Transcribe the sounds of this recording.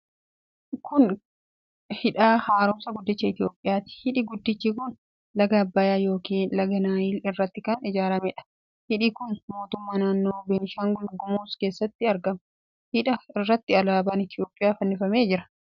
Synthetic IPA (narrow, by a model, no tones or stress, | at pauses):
kʰʊn | hɪᶑaːhaːɾʊmsɐɡʊd̪ːɪt͡ʃːɐɪt̪ɪjo̞ːpʼːɪjaːt̪ɪ̥hɪᶑiɡʊd̪ːɪt͡ʃːikʊn | lɐɡɐbːaːjaːjo̞ːkiːnlɐɡɐnaːjilɪrːɐt̪ːɪkɐnɪd͡ʒaːɾɐmɛᶑɐ̥ | hɪᶑiːkʊnmo̞ːt̪ʊmːaːnaːnːo̞ːbeːnɪʃaːŋɡʊlɡʊmuːske̞ːsːɐt̪ːɪɐɾɡɐm | hɪᶑɐɪrːɐt̪ːɪɐlaːbaːnɪt̪ɪjo̞ːpʼːɪjaːfɐnːɪfɐme̞ːd͡ʒɪɾɐ̥